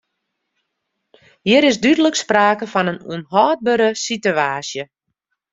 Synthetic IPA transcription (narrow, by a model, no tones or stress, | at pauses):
hiəɾɪzdydələkspraːkəfɔnənṵənɦɔːd̚bəɾəsityaːsjə